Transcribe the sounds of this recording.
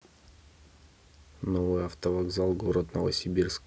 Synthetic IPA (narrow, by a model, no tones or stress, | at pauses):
novɨjɐft̪əvɐɡzalˠɡoɾət̪nə̰və̰sʲɪbʲirsk